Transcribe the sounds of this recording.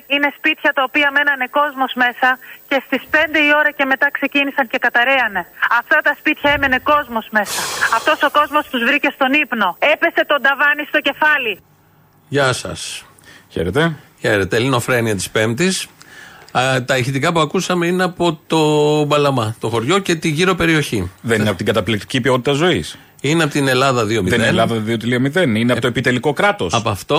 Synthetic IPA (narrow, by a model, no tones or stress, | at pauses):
ine̞spit̪çɐt̪ɐopiɐme̞nɐne̞ko̞zmo̞zme̞sɐce̞st̪ispe̞nd̪e̞io̞ɾɐce̞me̞t̪ɐkse̞cinisɐɲce̞kɐt̪ɐɾe̞ɐne̞ɐft̪ɐt̪ɐspit̪çɐe̞mene̞ko̞zmo̞zme̞sɐɐft̪o̞so̞ko̞zmo̞st̪uzvɾice̞st̪o̞nipno̞e̞pe̞se̞t̪o̞nd̪ɐvɐnist̪o̞ce̞fɐli | ʝɐsɐ̰s | çḛɾet̪eçe̞ɾe̞t̪elino̞fɾeniɐt̪i̥spe̞mt̪is | t̪ɐeçit̪ikɐpuɐkusɐme̞ine̞ɐpo̞t̪o̞bɐlɐmɐt̪o̞xo̞ɾʝoce̞t̪iʝiɾo̞pe̞ɾioçiðeninɐpot̪iɡɐt̪ɐplik̚t̪i̥cipio̞t̪it̪ɐzo̞is | ineɐpot̪ine̞lɐðɐðio̞miðenðlɐðɐðiot̪iliomiðenineɐpot̪oepit̪e̞liko̞kɾɐt̪o̞sɐpoɐft̪o̞